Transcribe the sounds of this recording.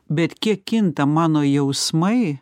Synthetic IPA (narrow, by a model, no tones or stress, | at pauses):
bʲɛt̪kʲiɛkːʲɪnt̪ɐmɑːnoːjɛʊsmɐɪ